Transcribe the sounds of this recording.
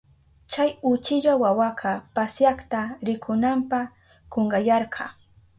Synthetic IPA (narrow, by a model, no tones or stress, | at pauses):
t͡ʃajʊt͡ʃɪʎawawɑqʰɑpasjaχt̪aɾɪkʰʊnampɑ | koɴɢɑjɑɾqʰɑ̰